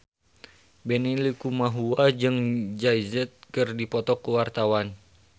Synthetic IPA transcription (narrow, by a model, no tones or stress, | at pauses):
bɛnilikumaɦuad͡ʒɨŋd͡ʒaizɛt̪̚kɨrdipɔt̪ɔkuwart̪awan